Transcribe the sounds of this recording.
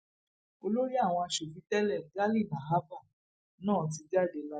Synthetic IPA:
o˧lo˦ɾi˦a˦˨w̃ɔ̃˧a˧ʃo˨fi˨˧˦tɛ˦lɛ˦˨ɡa˦li˦˨na˨ɦa˦fa˦˨ | nãː˦˨t̬i˧da˦˨de˨la˧

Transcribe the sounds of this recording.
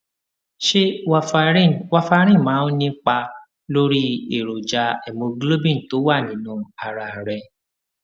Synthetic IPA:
ʃe˦wa˧fa˧˦˨wa˧fa˧˦ɾ̃ĩ˦˨mãː˨˦nĩ˦k͡pa˧ | lo˦ɾi˦e˦˨ɾo˨d͡ʒa˧ɛ˨mõ˧ɡlo˦bĩ˦˨n̩˨to˨˦wa˦˨nĩ˨˦nũ˧˦a˨ɾa˨ɾɛ˧

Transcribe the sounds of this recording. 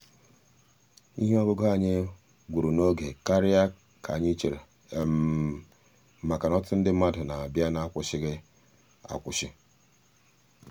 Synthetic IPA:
ḭ˦ɦe˦ɔ˦ɡo˦ɡo˦a˦˨ɲe˦ | ɡʷu˨ɾu˨no˦ɡe˨ka˦ɾɪ˦a˦ | kʰa̰˨ɲɪ˦t͡ʃe˨ɾe˨ | ma˨ka˨nɔ˦tʊ˦n̩˦dɪ˦ma˦dʊ˨na˨a˨bja˦na˨a˦kʷʊ˨ʃɪ˦ɡɪ˦ | a̰˨kʷʊ˨ʃɪ˦

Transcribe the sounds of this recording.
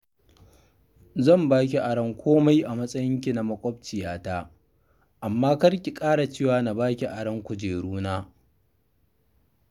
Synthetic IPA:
zɐ˦˨mbaː˦k̬ʲi˨ʔa˨ɽɐ˦ŋkʷoː˦ma˦jʔa˨mɐ˦sʼɐ˦jɪ˦ŋk̬ʲi˨na˨mɐ˦kʷʼɔ˦b̚t͡ʃɪ˨jaː˦taː˦ | ʔa˨mːaː˦kɐ˦rkʲi˨kʼaː˦ɽa˨t͡ʃeː˦˨waː˨na˨baː˦kʲi˨ʔa˨ɽɐ˦ŋkʷʊ˨d͡ʒeː˨ɽuː˦naː˦

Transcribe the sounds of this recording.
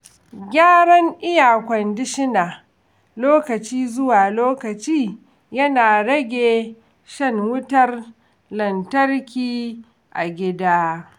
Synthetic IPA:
ɡʲaː˦ɽɐ˦ŋʔɪ˦jaː˨kʷɐ˨ndɪ˦ʃɪ˦naː˨ | loː˦kɐ˨t͡ʃiː˦zʊ˦waː˨loː˦kɐ˨t͡ʃiː˦ | jɐ˦naː˨ɽɐ˦ɡʲeː˨ | ʃɐ˦ŋwʊ˦tɐ˦r | lɐ˨ntɐ˦rkʲiː˦ | ʔa̰˨ɡʲɪ˦daː˦

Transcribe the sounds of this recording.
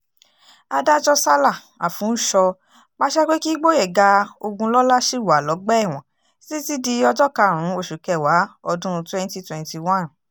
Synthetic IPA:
a˧da˦d͡ʒɔ˧sa˦la˦˨ | a˨fũ˨˦ʃɔ˧ | ma˦ʃɛ˦k͡pe˦ki˦ɡ͡bo˦jɛ˦˨ɡa˧˦o˧ɡũ˧lɔ˦la˦ʃi˦wa˨lɔ˨˦ɡ͡bɛ˦ɛ˦˨w̃ɔ̃˨ | si˦ti˦di˧ɔ˧d͡ʒɔ˦ka˧˨ɾ̃ũ˨˦o˦˨ʃu˨kɛ˨wa˨˦ɔ˧dũ˦ɾ̃twɛ̃˦n˦ti˧˦twɛ̃˨nti˧wã˦˨n

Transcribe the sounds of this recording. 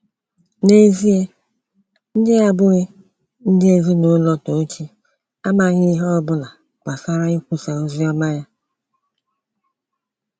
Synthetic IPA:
ne˦zi˦e˦ | n̩˦dɪ˦a˦bʊ˦ɣɪ˦ | n̩˦dɪ˦e˨zi˦nʊ˨˦lɔ˦to˨n̩˦t͡ʃi˦ | a˦ma˨ɣɪ˦i˦ɦɔ˦bʊ˦la˨ | k͡pa˨sa˦ɾa˦i˦kʷu˦sa˨o˦zi˦ɔ˦ma˦ja˦

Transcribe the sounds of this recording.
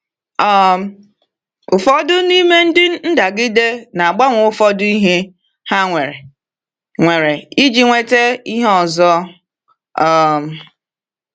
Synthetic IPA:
ɔ˦m˦ | ʊ˨fɔ˦dʊ˦ni˦me˦n̩˦dɪ˦n̩˦da˨ɡɪ˦de˦na˨a˨ɡ͡ba˦ŋʷʊ˨ʊ˦fɔ˦dʊ˦i˦ɦe˦ | ha˦ŋʷe˨ɾe˨ | ŋʷe˨ɾe˨i˦d͡ʒi˦ŋʷe˦te˦i˦ɦe˦ɔ˨zɔ˦ | ɔ˨m˨

